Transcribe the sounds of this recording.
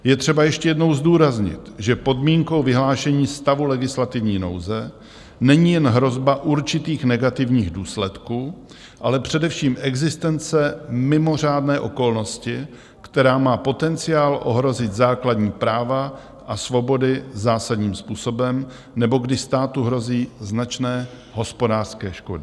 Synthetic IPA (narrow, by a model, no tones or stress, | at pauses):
jɛt̪r̝̥ɛbajɛʃcɛjɛdno̞wzduːɾazɲɪ̰t̪ʒɛpo̞dmiːŋko̞wvɪɦlaːʃɛɲiːst̪avulɛɡɪslat̪ɪvɲiːno̞̰wzɛ | nɛɲiːjɛnɦɾo̞zbaʔuɾt͡ʃɪt̪iːxnɛɡat̪ɪvɲiːɣduːslɛt̪kuː | ʔalɛpr̝̥ɛdɛfʃiːmʔɛɡzɪst̪ɛnt͡sɛmɪmo̞r̝aːdnɛːʔo̞ko̞lno̞scɪ | kt̪ɛɾaːmaːpo̞t̪ɛnt͡sɪjaːlʔo̞̰ɦɾo̞zɪt̪zaːkladɲiːpɾaːva | ʔasvo̞bo̞dɪzaːsadɲiːmspuːso̞bɛm | nɛbo̞ɡdɪst̪aːt̪uɦɾo̞ziːznat͡ʃnɛː | ɦo̞spo̞daːr̥skɛːʃko̞dɪ